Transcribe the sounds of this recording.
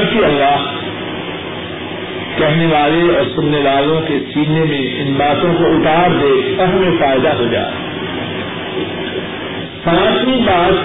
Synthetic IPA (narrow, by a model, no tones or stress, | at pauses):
bkiɐlːaːɦ | kɛɦneʋaːleɔːɾsʊnːeʋaːlõkesiːɡnemẽʔɪnbaːt̪õkoʊt̪aːɾd̪eːɐɾɦmẽfaːɪd̪aɦod͡ʒa̰ːḛ | sãːt̪ʰmibaːt̪